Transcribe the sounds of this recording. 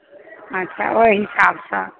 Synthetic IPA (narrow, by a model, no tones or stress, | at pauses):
ətːʃʰa̰ojɦisabsə̃